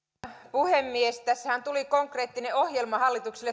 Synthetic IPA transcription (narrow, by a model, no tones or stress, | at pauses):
puhemːiest̪æsːhænt̪ulikoŋkre̞ːt̪ːineʔo̞hjelmɑhɑlːit̪ukselːe